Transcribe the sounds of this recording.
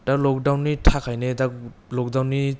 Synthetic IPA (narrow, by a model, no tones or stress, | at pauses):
d̥ak̚lɔk̚dawnːitʰakʰajnedaklɔk̚dawnːi